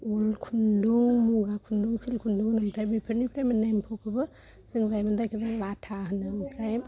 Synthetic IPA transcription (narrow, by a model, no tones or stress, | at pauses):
ulkʰunduŋmuɡakʰunduŋsilkʰunduŋnɯmtʰajbipʰɯɾnipɾajmenajmpʰokʰɯbɯ | siŋzajmɯnd̪ajkʰɯzalatʰaɦɯnɯmpʰɾajm